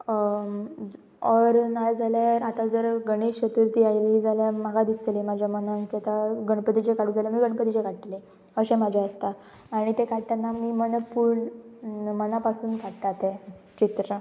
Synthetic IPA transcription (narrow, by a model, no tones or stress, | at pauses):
əɾnajd͡zaljaɾat̪ad͡zəɾɡəɽ̃eɕɕət̪uɾt̪iːajlid͡zaljaməɡad̪ist̪elemad͡ʑʱjamənənkɛt̪aɡəɳ̃pət̪it͡ɕekaɽ̤ũːd͡zaljamiːɡəɳpət̪it͡ɕekaʈʈle | əɕẽmad͡ʑʱaəst̪a | aɽ̃it̪ekaʈt̪anːamiːmənəpuɾɳ | mənapasuːnkaʈt̪at̪et͡ɕit̪ɾə